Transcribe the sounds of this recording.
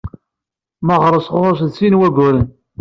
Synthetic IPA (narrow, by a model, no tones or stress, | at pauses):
məʁɾˤəsʁoɾˤos̬ðsinwæɡʷʊɾən